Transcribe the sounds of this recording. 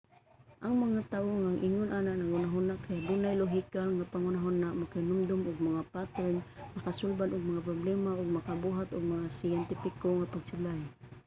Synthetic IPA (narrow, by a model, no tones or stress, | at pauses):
ʔaŋmaŋat̪awoŋaŋʔɪŋʊnʔanaʔnaɡʊnaɦʊnaʔkajad̪unajloɦikalŋapaŋʊnaɦʊnaʔmakainʊmd̪ʊmʔʊɡ̚maŋapat̪ɾɛnmakasʊlbanʔʊɡ̚maŋap̬ɾʊblɛmaʊɡ̚makabuɦat̪ʊɡ̚maŋasajɛnt̪ɪfɪkoŋapaɡsɪlaj